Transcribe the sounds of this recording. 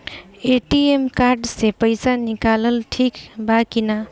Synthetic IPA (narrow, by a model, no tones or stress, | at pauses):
eʈiemkaɾɖsepəjsanikaləlʈʰikbakina